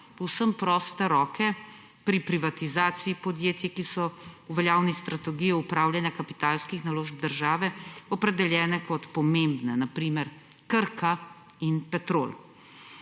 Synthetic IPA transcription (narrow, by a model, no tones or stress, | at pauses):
pɔwsəmpɾɔːst̪ɛɾɔːkɛ | pɾipɾiʋat̪izaːt̪siipɔd̪jeːt̪jɛkisɔuʋɛljaːwnist̪ɾat̪ɛɡijɔupɾaːwljanjakapit̪aːlskixnaloːʒb̚d̪əɾʒaːʋɛɔpɾɛd̪ɛljɛːnɛkɔt̪pɔmembnɛnapɾiːmɛɾ | kəɾkʰa | inpɛt̪ɾo̰ːl